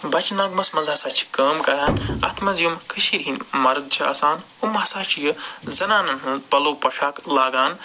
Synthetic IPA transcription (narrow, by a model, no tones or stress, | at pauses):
bɐt͡ʃnɐɡmɐsmɐzasaːt͡ʃʰi̥kɐːmkɐɾaːnɐ̰t̪ʰmɐzjumkʰɨʃiɾɦinmɐɾd̪̚t͡ʃʰiɐ̰ːsaːn | umɦɐsaːt͡ʃʰijɐzɐnaːnɐɦɐpɐloːpɐʃaːklaːɡaːn